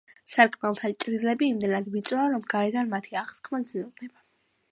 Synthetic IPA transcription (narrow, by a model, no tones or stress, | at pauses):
saɾkʼʰmɛlˠt̪ʰat͡ʃʼɾilɛbiːmd̪ɛnad̪vit̪sʼaɾɔmɡaɾɛd̪anmat̪ʰiaʁskʰmad̪znɔʁnɛba